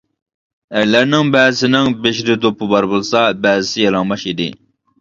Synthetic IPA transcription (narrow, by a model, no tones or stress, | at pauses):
æɾlæɾnɪŋbɛːzɪsɪnɪŋbeʃɾɪd̪opʰːɨbɑɾbolˠsɑbæːzɪsɪjɑlˠɑŋmɑʃid̪ɪ̰